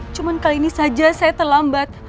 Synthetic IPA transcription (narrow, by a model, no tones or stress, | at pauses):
t͡ʃumankaliːnisad͡ʒasajat̪ərlambat̪̚